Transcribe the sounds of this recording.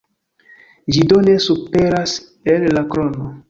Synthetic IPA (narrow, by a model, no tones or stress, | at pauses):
d͡ʒidone̞supe̞ɾas | elːakɾono